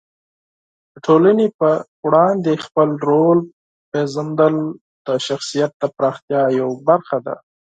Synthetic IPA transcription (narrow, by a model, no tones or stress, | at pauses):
d̪əʈʰolanepə | wɽɑnd̪expəlɾol | pezəmd̪əl | d̪̥əʃaxsijat̪̚d̪əpɾɑxt̪jɑjawbaɾxad̪a̰